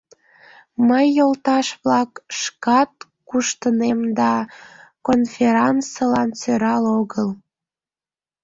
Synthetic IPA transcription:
məjːolt̪ɑʃβlɑkʃkɑt̪̚ | kuʃt̪ənemd̪ɑkonfʲeɾɑnsəlɑnt͡søɾɑloɣəl

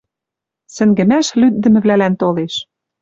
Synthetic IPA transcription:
sɘ̆ŋɡɘ̆mæʃlyd̪̚ːɘ̆mɘ̆βlælænt̪oleʃ

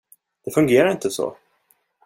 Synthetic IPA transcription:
d̪̥ɛfɵŋɡeːɾaɾɪnt̪əsɔ̰ː

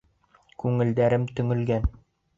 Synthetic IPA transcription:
kʉŋɘ̆ld̪æɾɘmt̪ɵ̆ŋɘ̆lɡæn

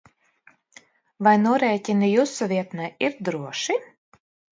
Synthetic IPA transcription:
vajnuɔɾɛjcʲinijusɔvʲiɛt̪naiɾd̪ɾuɔʃi

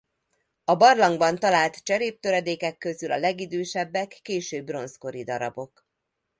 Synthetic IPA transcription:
ɒbɒrlɒŋɡbɒnt̪ɒlaːlt̪t͡ʃɛɾeːp̚t̪øɾɛd̪eːkɛkːø̞zylɒlɛɡid̪øːʃɛbːɛkːeːʃøːbːro̞nsko̞ɾid̪ɒɾɒ̰bo̞k

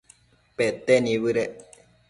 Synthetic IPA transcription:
pet̪enĩβɨɾe

